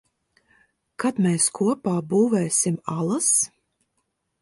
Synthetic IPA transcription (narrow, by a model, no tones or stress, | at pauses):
kat̪mʲɛːskʰuɔpaːbuːvɛːsʲimalˠas